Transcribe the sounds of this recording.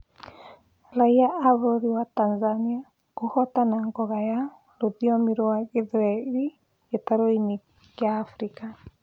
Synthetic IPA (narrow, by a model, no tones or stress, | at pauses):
ɾaiaaβoɾiwatanzania | kohɔtanaŋɡɔɣaja | ɾoðiɔmiɾoaɣeðɾɛɾi | etaɾoini | kjaːfɾika